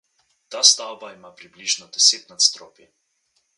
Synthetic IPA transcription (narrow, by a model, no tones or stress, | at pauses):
t̪aːst̪awbaimapɾibliʒnɔd̪ɛseːt̪nat̪st̪ɾɔ̰ːpjɛ